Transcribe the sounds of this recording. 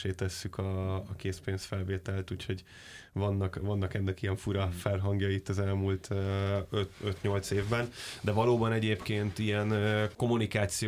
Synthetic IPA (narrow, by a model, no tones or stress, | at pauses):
eːt̪ɛsːykʰɒːkeːspeːnsfɛlveːt̪ɛlt̪uːcho̞ɟ | vɒnːɒkvɒnːɒkɛnːɛkiɛɱfuɾɒfɛrɦɒŋɡjɒit̪ːɒzɛlmuːlt̪ʰøøt̪øt̪ɲo̞lt̪seːvbɛnd̪ɛvɒloːbɒnɛɟeːpkeːnt̪ijɛnko̞munikaːt̪si